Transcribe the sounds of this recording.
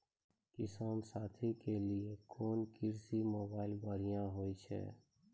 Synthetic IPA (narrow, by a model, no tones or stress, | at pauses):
kɪsaːmsaːt̪ʰikeliekɔːnkɪɾsimoːbaːɪlbaːɾɪjãɦoːit͡ʃʰɛ̰ː